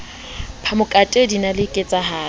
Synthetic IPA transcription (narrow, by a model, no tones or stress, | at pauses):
pʰamʊkʼatʼedinalɪkʼɪt͡sʼaɦaː